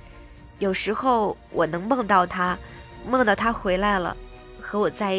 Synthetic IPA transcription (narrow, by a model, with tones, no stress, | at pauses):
jo˨˩ʊʂɻ̩˧˥xo˥˩ʊwʔɔ˨˩nɤ˧˥ŋmɑ˥˧ŋt̪ɑ˥˩ʊt̪ʰa˥mɑ˥˧ŋt̪ɑ˥˩ʊt̪ʰa˥xwe˧˥ɪla˧˥ɪlə̰˩ | xɤ˧˥wɔ˨˩t͡sa˥˧ɪ